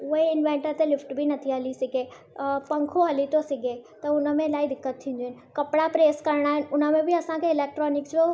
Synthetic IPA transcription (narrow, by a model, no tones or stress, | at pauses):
ʊɦeɪnʋẽːɳʈəɾt̪elɪfʈbɪnɐt̪ʰiɦɐlisɪɡʱe | pɐ̃ŋkʰoɦɐlit̪ʰosɪɡʱet̪ɐʊnə̆mẽlaːid̪ɪkːət̪ʰːĩːnd̪oɦɪnɪ̆kɐpɪɽapɾeːskɐɾɽ̃aːɦɪnɪ̆ʊnə̆mẽbɪɐsãkʰeɪleːk̚ʈɾɔːnɪksd͡ʑoː